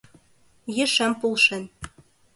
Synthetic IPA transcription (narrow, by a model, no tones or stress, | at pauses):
jɘ̆ʃæmpulˠʃen